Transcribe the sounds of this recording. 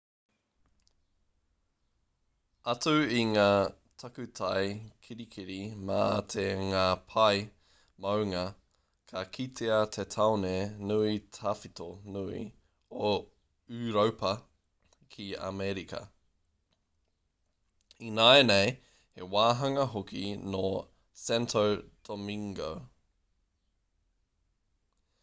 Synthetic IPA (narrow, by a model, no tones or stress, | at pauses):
ɐtʉiŋaː | tʰɐkʉtʰajkʰiɾikʰiɾimat̪ʰeŋaːpʰɐj | mɐwŋɐ | kʰɐkʰitʰeɐt̪ʰetʰaonenuitʰafitonuḭ | o | ʉːɾowpʰɐ | kʰiɐ̰mɛɾikʰɐ̰ | inaenej | hewaːɦɐŋɐɦokʰino | sɛntʰowd̥omiŋɡo̰w